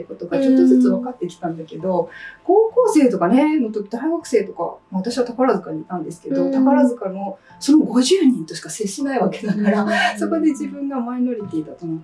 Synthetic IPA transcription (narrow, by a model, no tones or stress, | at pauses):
kot̪oɡat͡ɕo̞t̪ːozɨt͡sɨβakat̪ːe̞kʲi̥t̪ãnd̪ake̞d̪o̞ko̞ːko̞ːse̞ːt̪o̞kane̞no̞t̪o̞kʲid̪aiɡakɯ̟̥se̞ːt̪o̞ka̰maβat̪aɕiβat̪akaɾazɨkaɲ̟iːt̪ãnd̪e̞sɨ̥ke̞d̪o̞t̪akaɾazɨkano̞ | so̞no̞ɡo̞ʑɨːɲ̟ĩnt̪o̞ɕi̥kaseɕinaiβake̞nakaɾaso̞ko̞d̪e̞d͡ʑibɯ̟̃ŋɡamaino̞ɾʲit̪iːd̪at̪ono